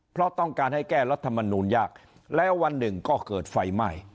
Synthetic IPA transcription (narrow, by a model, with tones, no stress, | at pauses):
pʰɾɔ˦˥t̪ɔ˥˩ŋkaː˧nha˥˩jkɛː˥˩ɾa˦˥t̪ʰːa˧ma˧nuː˧njaː˥˩k̚ | lɛ˦˥wa˧nːɯ˨˩ŋkɔː˥˩kɤː˨˩t̪̚fa˧jma˥˩j